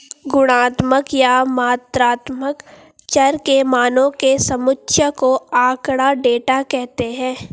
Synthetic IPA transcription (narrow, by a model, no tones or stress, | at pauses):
ɡʊɽ̃aːt̪məkjamaːt̪ɾaːt̪mək | t͡ʃɐɾkemaːnõkesɐmʊtʃʰjəkoaːkɽaɖeːʈakɛɦt̪eɦɛ̃ː